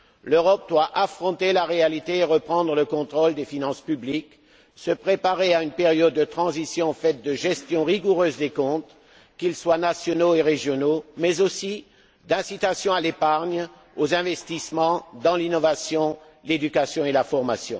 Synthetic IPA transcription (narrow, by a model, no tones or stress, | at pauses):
løʁɔp̚d̪waʔafχɔ̃t̪elaʁealit̪eːʁəpχɑ̃d̪ʁələkɔ̃t̪χold̪efinɑ̃spyblik | səpχepaʁeaynpeʁjɔd̪ːət̪χɑ̃zisjɔ̃fɛt̪̚d̪əʒɛst̪jɔ̃ʁiɡuʁøːzd̪ekɔ̃t̪ | kʲilswanasjɔnoeʁeʒjɔnomɛzosi | d̪ɛ̃sit̪asjɔ̃alepaʁɲ | ozɛ̃vɛst̪ismɑ̃d̪ɑ̃linɔvasjɔ̃ | led̪ykasjɔ̃elafɔʁmasjɔ̰̃